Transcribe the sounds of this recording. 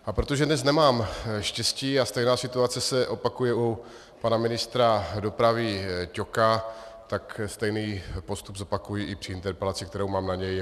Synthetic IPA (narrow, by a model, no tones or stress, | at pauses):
ʔapɾo̞t̪oʒɛdnɛs̬nɛmaːmʃcɛsciːast̪ɛjnaːsɪt̪uat͡sɛsɛʔo̞pakujɛu | panamɪnɪst̪ɾado̞pɾavɪco̞kat̪akst̪ɛjniːpo̞st̪ubzo̞pakujiʔɪpr̥ɪɪnt̪ɛɾpɛlat͡sɪkt̪ɛɾowmaːmnaɲɛj